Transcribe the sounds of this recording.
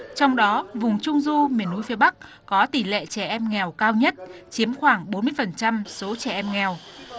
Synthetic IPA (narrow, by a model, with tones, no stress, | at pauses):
t͡ɕɔ˧wŋ͡mɗɔ˨˦vʊ˨˩ŋ͡mt͡ɕʊ˧ŋ͡mzu˧mi˨˩ənʔu˨˦jfi˨˦əɓa˦˥k̚ | kɔ˨˦t̪i˧˩lḛ˧˨t͡ɕɛ˧˩ʔɛ˧mŋɛ˨˩wkaː˧wɲə˦˥t̚t͡ɕi˨˦əmxwaː˧˩ŋɓo˨˦nmɨ˧əjfə˨˩nt͡ɕa˧mso˨˦t͡ɕɛ˧˩ʔɛ˧mŋɛ˨˩w